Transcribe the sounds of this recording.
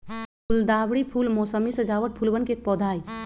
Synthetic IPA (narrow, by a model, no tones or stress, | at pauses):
puld̪abɽipʰulmosəmisə̃d͡ʒaʋəʈ̚pʰulbənkek̚pɔd̪ʱaj